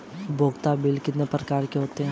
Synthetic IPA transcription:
bʱoːɡt̪abɪlkɪt̪nepɾəkaːɾkeɦoːt̪eɦɛ̃ː

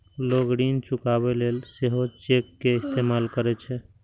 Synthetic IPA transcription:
loɡɽint͡ʃukabelelseɦot͡ʃekːeɪst̪emalkəɾɛt͡ʃʰɛ

